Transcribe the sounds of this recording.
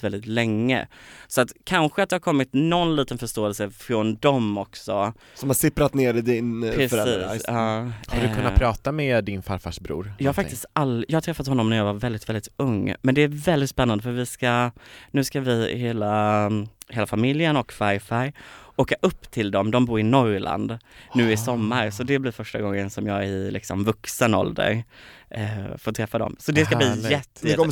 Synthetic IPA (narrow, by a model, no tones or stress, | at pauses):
vɛld̪ɪt̪lɛŋːə̰sɔat̪kʰanɧəat̪̚d̪ɛhaɾkʰɔmːɪt̪nɔnliːt̪ənfœʂt̪oːɛlsəfɾɔnd̪ɔmɔksɔ | sɔmhasɪpɾat̪neːɾɪd̪ɪnpɾɛsiːsɑːhadɵkɵnapʰɾɑːt̪amɛd̪ɪnfaɾfa̰ʂbɾṵːɾjɑːhaɾfakt̪ɪst̪alːjɑːhat̪ʰɾɛfat̪hɔnːɔmnæɾjɑːvaɾvɛld̪ɪt̪vɛld̪ɪt̪ɵŋːmɛnd̪ɛæɾvɛld̪ɪt̪spɛnːand̪əfœɾvɪskanʉ̟ːskavɪheːla | heːlafamɪljənɔkfaɾfæɾoːkaʔɵpːt̪ʰɪld̪ɔmd̪ɔmbuːɾɪnɔɾla̰nd̪nʉ̟ːɪsɔmːaɾsɔd̪ɛblɪɾfœʂʈaɡɔŋːənsɔmjɑːɡæɾɪlɪ̰ksɔ̰mvɵksənɔ̰ld̪ə̰ɾ | foːt̪ʰɾɛfːad̪ɔ̰msɔd̪ɛskabliːjɛt̪ːə